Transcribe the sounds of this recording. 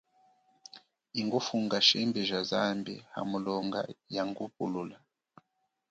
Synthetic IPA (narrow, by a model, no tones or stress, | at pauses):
iŋɡufuŋɡaʃɛmbiʒazambḭha̰mulɔŋɡa̰jaŋɡupulula